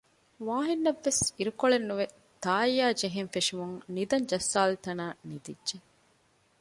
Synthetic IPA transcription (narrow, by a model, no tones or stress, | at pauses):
ʋaːɦinːɐʋːesiɾukoɭenːuʋe | t̪aːjːaːd͡ʒeɦenfeʂimuŋnid̪ɐɲd͡ʒɐsːaːlt̪ɐnaːnid̪idʒe